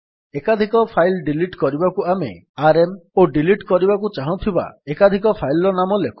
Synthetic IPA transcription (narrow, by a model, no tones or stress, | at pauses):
ekad̪ʱikɔpʰajlɖiliʈkɔɾibakuamḛ | aɾemoɖiliʈkɔɾibakut͡ʃaɦɔ̃t̪ʰiba̰ekad̪ʱikɔpʰajlɔɾɔnamɔleku̥